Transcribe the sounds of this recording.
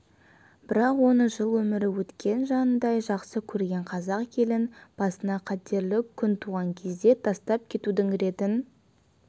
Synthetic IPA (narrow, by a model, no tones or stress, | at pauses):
b̥ɪɾɑqwo̞nəɴʒəlˠwɵmɪɾɪwɵt̪kʲe̞nʒɑnənd̪ɑjʒɑqsəkʲʰɵɾɡʲe̞ɴqʰɑzɑqkʲʰe̞lɪnb̥ɑsənɑqʰɑt̪e̞ɾlɪkkʲʰʏnt̪ʰuʁɑŋkʲʰe̞zd̪e̞t̪ʰɑst̪ɑp̚kʲʰe̞t̪ud̪ɪŋɾe̞t̪ɪn